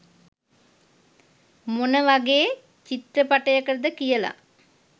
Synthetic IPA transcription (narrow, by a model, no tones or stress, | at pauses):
monəʋaɡeː | t͡ʃit̪ɾəpaʈəjəkəɾəd̪əkijəla̰